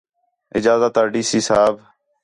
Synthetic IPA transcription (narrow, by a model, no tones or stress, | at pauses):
ɪ̰d͡ʒaːzaːt̪əɾɖiːsiːsaːb